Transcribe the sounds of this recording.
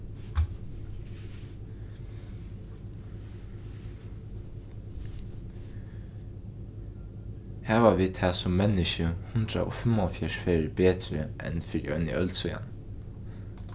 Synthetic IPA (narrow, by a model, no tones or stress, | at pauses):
hæːʋaʋiːt̪ʰæːsʊmːɛnɪʃəhʊnd̪ɾa̰ʔo̰ːfɛmɔfjæɹfeːɹbeːt̪ɾəʔɛ̰nfɪɾḭœnɪ̰ʔœlt̪sɔʏja̰n